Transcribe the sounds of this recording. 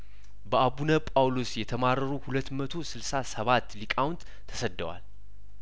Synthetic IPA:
bəabunəpʼawlosjɛt̪ʰəmaɾəɾuhulət̪ːmət̪ʰo̞sɨlsasəβat̪ːlikʼawnt̪ʰːəsəd̪ːəwa̰l

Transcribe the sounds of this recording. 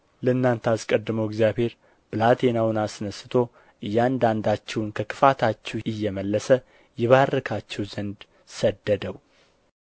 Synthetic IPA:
ləɨnːant̪ʰəaskʼəd̪ːɨməwɛɡzjaβhe̞ɾ | bɨlat̪ʰenawʊnasnəsɨt̪ʰo̞ | ʔɨjːand̪and̪at͡ʃːɛwnkʰəkʰɨ̥fat̪ʰat͡ʃːɛwɨjːɛməlːəsə | jɛβarːəkʰat͡ʃːɛwzənd̪ | səd̪ːəd̪əw

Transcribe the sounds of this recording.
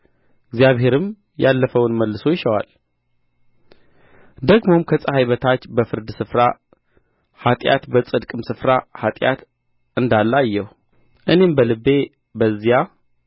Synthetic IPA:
ɨɡzijaβɦe̞ɾɨm | jalːəfəwʊnməlːɨsojɪʃəwa̰l | d̪əɡmo̞mkʰəsʼəhajβət̪ʰat͡ʃːbəfɨɾd̪sɨfɾa | hat̪ʼja̰t̪bət͡sʼɨd̪kʼɨmsɨfɾahat̪ʼja̰t̪ | ɨnd̪alːajːɛh | ʔɨne̞mbəlɨbːe̞ | bəzːija

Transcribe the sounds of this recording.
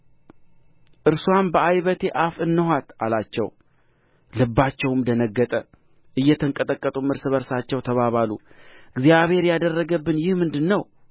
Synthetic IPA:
ʔɨɾswanbəajβət̪ʰe̞ʔafɨnːəhʷat̪ʔalat͡ʃːɛ̰w | lɨbːat͡ʃːɛwɨmd̪ənəɡːət̪ʼə | ʔɨjːɛt̪ʰəŋkʼət̪ʼəkʼːət̪ʼumɨɾsɨβəɾsat͡ʃːɛwt̪ʰəβaβalṵɨɡzijaβhe̞ɾjad̪ərːəɡəbːɨnjɪhmɨnd̪ɨnːəw

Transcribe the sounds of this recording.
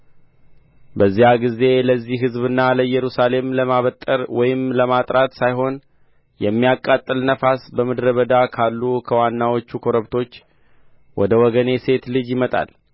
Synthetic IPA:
bəzːijaɡize̞ləzːiɦɨzβɨnːaləjɛɾusale̞mləmaβət̪ʼːəɾwɔjɪmləmat̪ʼɾat̪sajɦo̞n | jɛmːijakʼːat̪ʼːɨlnəfasbəmɨd̪ɾəβəd̪akʰalːukʰəwanːawo̞t͡ʃːukʰo̞ɾəβt̪ʰo̞t͡ʃː | wɔd̪əwɔɡəne̞se̞t̪lɨd͡ʒjɪmət̪ʼa̰l

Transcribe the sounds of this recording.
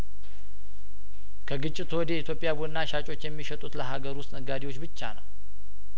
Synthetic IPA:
kʰəɡɨt͡ʃʼːɪt̪wɔd̪eit̪ʰjo̞pʼːjabud̪ɨnːaʃat͡ʃʼo̞t͡ʃːjɛmːiʃət̪ʼut̪ləɦaɡəɾwʊst̪ʼnəɡad̪iwo̞t͡ʃːbɨt͡ʃːa̰nəw

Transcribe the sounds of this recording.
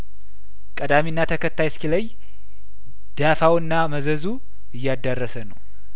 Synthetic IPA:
kʼəd̪aminːat̪ʰəkʰət̪ːajskiləj | d̪̥afawɨnːaməzəzu | ɨjːad̪ːarːəsənəw

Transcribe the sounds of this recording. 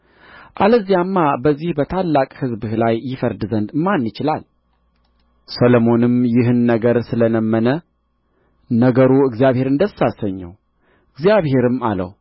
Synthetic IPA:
ʔaləzːijamːabəzːihbət̪ʰalːakʼhɨzbɨhlajːɪfəɾd̪ɨzənd̪manjɪt͡ʃɪla̰l | səlomo̞nɨmjɪɦɨnːəɡəɾsɨlənəmːənə | nəɡəɾuɨɡzijaβhe̞ɾɨnd̪əsasəɲːə̰w | ɨɡzjaβhe̞ɾɨma̰lə̰w

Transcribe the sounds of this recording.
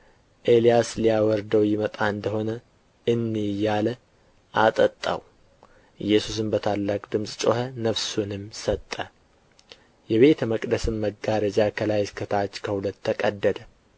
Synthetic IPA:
ʔe̞lijaslijawɔɾd̪əwjɪmət̪ʼaɨnd̪əho̞nə | ɨnːijːalə | ʔat̪ʼət̪ʼːa̰w | ɨjːɛsus̬ɨmbət̪ʰalːakʼd̪ɨmsʼt͡ʃʼo̞hənəβsunɨmsət̪ʼːə | jɛβe̞t̪ʰəməkʼd̪əsɨmməɡaɾəd͡ʒakʰəlajɪskʰət̪ʰat͡ʃːkʰəhulət̪ːəkʼəd̪ːəd̪ə

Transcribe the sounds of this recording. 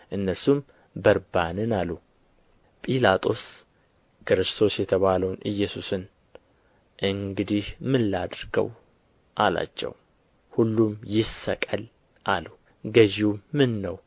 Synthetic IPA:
ʔɨnːəɾsum | bəɾbanɨnalːu | pʼilat̪ʼo̞s | kɨɾɨst̪ʰo̞sjɛt̪ʰəβaləwnʔɨjːɛsusɨn | ʔɨŋɡɨd̪ihmɨlːad̪ɾɡə̰w | ʔala̰t͡ʃːɛ̰w | hulːumjɪsəkʼəl | ʔalu | ɡəʒiwːɨnːəw

